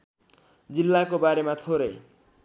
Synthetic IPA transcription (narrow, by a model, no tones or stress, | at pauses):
d͡zilːakobaɾemat̪ʰoɾe